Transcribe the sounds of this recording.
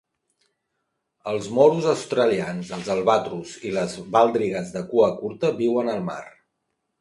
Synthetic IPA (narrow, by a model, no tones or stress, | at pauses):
əlˠzmɔɾuzəwst̪ɾəlianzəlˠzəlˠβat̪ɾuziləzβalˠd̪ɾiɣəzðəkuəkuɾt̪əβiwənəlˠma̰r